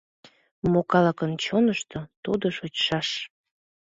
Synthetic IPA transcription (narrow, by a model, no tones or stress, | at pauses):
mokɑlɑkənt͡ɕonəʃt̪ot̪ud̪oʃot͡ɕʃɑʃ